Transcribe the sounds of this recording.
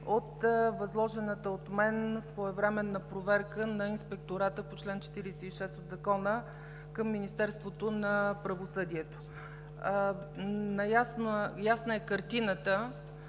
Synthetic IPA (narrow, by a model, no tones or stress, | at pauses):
ot̪vɐzlˠɔʒɛnət̪əot̪mɛnsvoɛvɾɛmɛnːəpɾovɛɾkənɐinspɛk̚t̪oɾat̪əpot͡ʃlɛnt͡ʃɛ̥t̪iɾisɛiʃɛst̪od̪zɐkɔnə | kəmːinist̪ɛɾst̪vot̪onɐpɾəvosɤd̪iɛt̪o̥ | nɐjasnjasnəɛkəɾt̪inət̪ə